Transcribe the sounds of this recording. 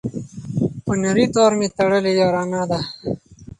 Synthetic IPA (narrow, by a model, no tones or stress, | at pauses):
pənɐɾit̪oːɾmet̪ɐɽəlejoːɾaːnaːd̪a